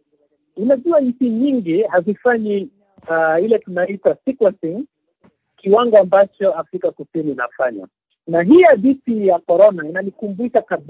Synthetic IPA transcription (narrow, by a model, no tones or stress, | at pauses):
unaʄuaɲisiɲiŋɡihazifaɲi | ilɛtunaitasikuasiŋ | kiwaŋɡɔambat͡ʃɔafɾikakusinina̰faɲa̰ | naɦijaɗisijakɔɾɔnainanikumbuʃaka